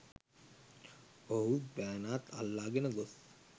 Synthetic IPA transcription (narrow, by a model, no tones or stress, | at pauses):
oɦut̪̚bæːnaːt̪ʰa̰lːaːɡenəɡos